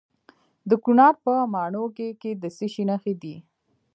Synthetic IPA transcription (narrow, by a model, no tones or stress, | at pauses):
d̪əkunɑɾpəmɑɳokeked̪əseʃinaxed̪i